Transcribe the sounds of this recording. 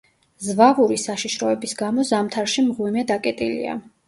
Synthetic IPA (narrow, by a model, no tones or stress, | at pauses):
zvavuɾisaʃiʃɾɔɛbisɡamɔzamt̪ʰaɾʃimʁwimɛd̪akʼɛt̪ʼilḭa̰